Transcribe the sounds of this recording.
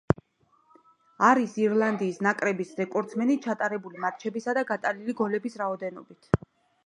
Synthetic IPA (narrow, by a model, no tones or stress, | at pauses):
aɾisiɾlˠand̪iːsnakʼɾɛbisɾɛkʼɔɾt̪sʰmɛnit͡ʃʰat̪ʼaɾɛbulimat̪t͡ʃʰɛbisad̪aɡat̪ʼaliliɡɔlɛbisɾaɔd̪ɛnɔ̰bit̪ʰ